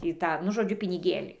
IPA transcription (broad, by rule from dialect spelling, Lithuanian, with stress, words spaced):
ˈtʲiː ˈtɑː nʊ ˈʒoːd͡ʒʲʊ pʲɪnʲɪˈɡʲeːlʲiː